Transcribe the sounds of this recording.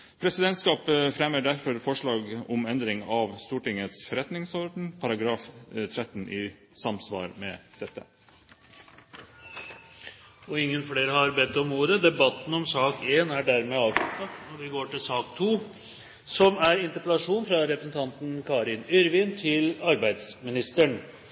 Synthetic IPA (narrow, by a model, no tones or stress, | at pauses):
pʰɾɛsɪd̪ɛnt̪skɑːpfɾɛməɖæɾfɔɾfɔʂɭɑːɡɔmɛnd̪ɾɪŋɑʋst̪uːʈɪŋət̪sfɔɾɛt̪nɪŋsɔɾɖn̩pʰɑɾɑɡɾɑːft̪ʰɾɛt̪ːn̩ɪː | sɑmsʋɑ̰ːɾmɛd̪̥ɛt̪ːə | ɔɪŋːənfɽeːɾəhɑɾbɛt̪ːɔmuːɾəd̪ɛbɑt̪ːn̩ɔmsɑːkeːnæɖæɾmɛɑːʋʂlʉt̪ːɑnɔʋɪɡoːʈɪlsɑːkt̪ʰuː | sɔmæɾɪnt̪əpɛlɑʂuːnfɾɑɾɛpɾəsən̩t̪ʰɑnt̪n̩kʰɑːɾɪnʏɾʋɪːnt̪ʰɪlɑɾbæɪd̪smɪnɪst̪əɳ